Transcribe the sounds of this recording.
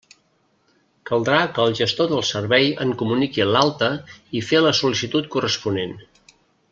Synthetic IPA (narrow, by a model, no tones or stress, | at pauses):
kəlˠd̪ɾakəːlˠʒəst̪oðəlˠsərβɛjə̰ŋkumunikilalˠt̪əifeləsulisit̪ut̪̚kurəspunen